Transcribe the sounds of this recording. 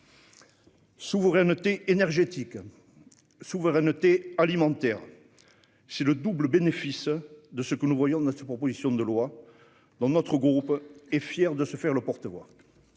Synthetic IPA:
suvəʁɛnət̪eenɛʁʒet̪ik | suvəʁɛnət̪ealimɑ̃t̪ɛʁ | sɛləd̪ubləbenefisd̪əsəkənuvwajɔ̃d̪ɛ̃st̪əpχɔpozisjɔ̃d̪əlwa | d̪ɑ̃nɔt̪χəɡʁupɛfjɛʁd̪əsəfɛʁləpɔʁt̪əvwa̰

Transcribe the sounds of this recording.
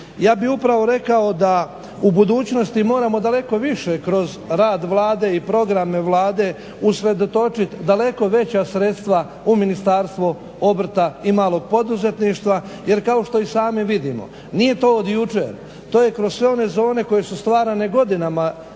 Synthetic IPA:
jaːbiupɾaʋo̞ɾe̞kao̞d̪a | ubud̪uːt͡ɕno̞st̪imo̞ːɾamo̞d̪ale̞ko̞ʋiʃe̞kɾo̞zɾaːd̪ʋlˠaːd̪e̞ipɾo̞ɡɾameʋlˠaːd̪e̞ | usɾe̞d̪o̞t̪o̞t͡ʃit̪d̪ale̞ko̞ʋe̞t͡ɕasɾe̞t̪st̪ʋa | uminist̪aːɾst̪ʋo | o̞br̩t̪aimaːlo̞ɡ̚po̞d̪uze̞t̪niʃt̪ʋa | je̞ɾkao̞ʃt̪oisaːmiʋid̪imo̰ | nije̞t̪o̞ːd̪jut͡ʃeɾ | t̪o̞ːje̞kɾo̞z̥sʋe̞o̞ne̞zo̞ːne̞ko̞je̞sust̪ʋaːɾane̞ɡo̞d̪inama

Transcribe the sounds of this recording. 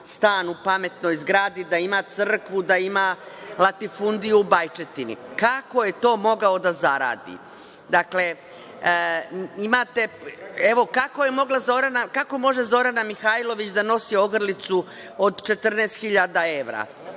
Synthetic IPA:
st̪aːnupame̞t̪no̞jzɡɾaːd̪id̪aimat̪sr̩kʋud̪aimalˠat̪ifund̪ijuubajt͡ʃet̪inḭkako̞je̞t̪o̞ːmo̞ɡaod̪azaɾa̰ːd̪ḭ | d̪akle̞ | imat̪e̞e̞ʋo̞kako̞jemo̞ɡlazo̞ɾanakako̞mo̞ʒe̞zo̞ɾanamixajlo̞ʋit͡ɕd̪ano̞sio̞ɡr̩lit̪su | od̪t͡ʃe̞t̪r̩neːst̪xiʎad̪ae̞ʋɾa̰

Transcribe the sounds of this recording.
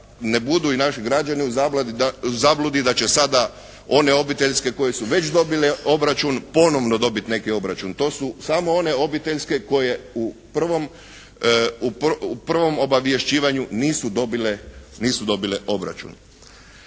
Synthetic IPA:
ne̞bud̪uinaʃiɡɾad͡ʒaniuzablad̪iazablud̪id̪at͡ɕe̞sad̪a | o̞ne̞o̞bit̪e̞ʎske̞ko̞je̞suʋe̞t͡ʃd̪o̞bileo̞bɾat͡ʃunpo̞no̞ʋno̞d̪o̞bit̪ne̞kio̞bɾat͡ʃunt̪o̞ːsusamo̞o̞ne̞o̞bit̪e̞ʎʲske̞ko̞je̞upr̩ʋo̞m | upupr̩ʋo̞mo̞baʋje̞ʃt͡ɕiːʋaɲuniːsud̪o̞bileniːsud̪o̞bileʔo̞bɾa̰t͡ʃṵn

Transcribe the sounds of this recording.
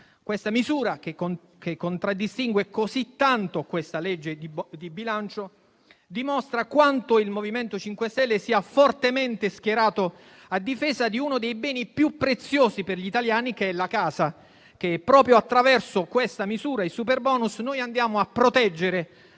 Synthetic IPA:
kwest̪amizuːɾakeo | kekːont̪ɾad̪ːist̪iŋɡwekozit̪ːant̪okwest̪alɛd͡ʒːed̪id̪ibilant͡ʃo | d̪imɔst̪ɾakwant̪oilmoviment̪ot͡ʃiŋkwest̪ɛlːesiːafort̪emɛnt̪esk̟jeɾaːt̪o | ad̪ːifɛːzad̪iunod̪ejbɛːnipjupːɾet̪sːjoːziperʎit̪aljaːnikeɛlakaːza | k̟eɛpːɾɔːpɾjoat̪ːɾavɛrsokwest̪amizuːɾaisuperbɔːnusnoːjand̪jaːmoapːɾot̪ɛd͡ʒːeɾe

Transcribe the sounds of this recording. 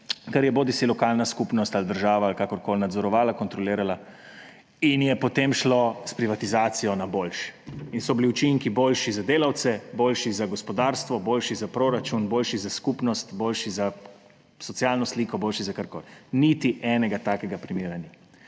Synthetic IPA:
kaɾjɛboːd̪isilɔkaːlnaskupnɔst̪ald̪əɾʒaːʋaːlkakɔɾkoːlnad̪zɔɾɔʋaːlakɔnt̪ɾɔliːɾala | injɛpɔt̪emʃlospɾiʋat̪izaːt̪sijɔnaboːlʃɛ̥insɔbiliut͡ʃiŋkiboːlʃizad̪eːlawt̪sɛboːlʃizaɡɔspɔd̪aːɾst̪ʋɔboːlʃizapɾoːɾat͡ʃunboːlʃizaskupnɔst̪boːlʃiza | sɔt̪sijaːlnɔsliːkɔboːlʃizakaɾko̰ːlnit̪iʔɛːnɛɡat̪aːkɛɡapɾimiːɾanja

